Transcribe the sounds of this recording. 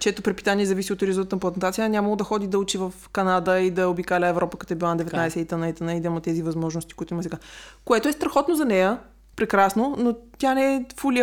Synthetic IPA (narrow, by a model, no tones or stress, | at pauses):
t͡ʃɛt̪opɾɛtpi̥t̪aniɛzɐvisiot̪ɾizonˠt̪t̪nɐplˠɐt̪ɛnt̪at̪sʲijənʲamɐlˠod̪ɐxɔd̪id̪ɐut͡ʃivɐfkɐnad̪əid̪ɐobikalʲəɛvɾɔpəkɐt̪ɔɛbilˠand̪ɛvɛt̪ajsɛit̪ɐnait̪ɐnaid̪ɐimɐt̪ɛzivɐzmɔʒnost̪i̥koit̪ʊimɐsɛɡakoɛt̪oɛst̪ɾɐxɔt̪nozɐnɛjə | pɾɛkɾasnonot̪ʲjanɛɛfoli